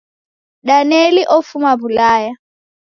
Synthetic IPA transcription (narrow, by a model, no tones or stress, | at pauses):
ɗanɛliʔɔfumaβulaːja